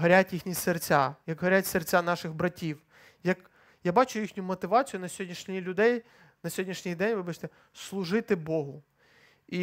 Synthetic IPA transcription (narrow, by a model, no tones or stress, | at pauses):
ɦɐɾʲatʲjixnʲisert͡sʲajɐkɦɐɾʲatʲsert͡sʲanɑʃɪɣbɾɐtʲiw | jɐk | jabɑt͡ʃʊjixnʲʊmɔt̪ɪʋɑt͡sʲijʊnɐsʲɦɔdʲnʲiʃnʲilʲʊd̪ɛj | nɐsʲɦɔdʲnʲiʃnʲijd̪ɛnʲʋɪbat͡ʃʲt̪ɛ | slˠʊʒɪt̪ɪbɔɦʊ | i